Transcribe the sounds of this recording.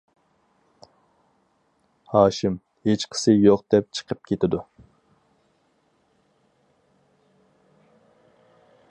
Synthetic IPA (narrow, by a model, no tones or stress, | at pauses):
hɑːʃɪm | het͡ʃqʰə̥sɨjoqd̪̥ɛp̚t͡ʃʰə̥qʰəp̚kʲʰet̪ɪd̪u